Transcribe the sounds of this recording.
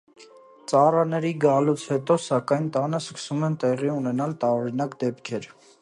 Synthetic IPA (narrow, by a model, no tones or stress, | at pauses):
t͡sɑrɑnɛɾiɡɑlut͡sʰhɛt̪ɔsɑkɑjnt̪ɑnəskə̥sumɛnt̪ɛʁiunɛnɑlt̪ɑɾɔɾinɑkd̪ɛpkʰɛɾ